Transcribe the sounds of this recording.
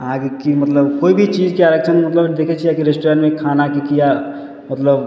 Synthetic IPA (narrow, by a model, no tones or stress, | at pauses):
ãkikimət̪ləbkoːibʱit͡ʃiːd͡ʒkiaɾəkt͡ʃʰənmət̪ləbd̪eːkʰet͡ʃʰiakiɾesʈɾaːnmẽkʰaːnakikija | mət̪ləb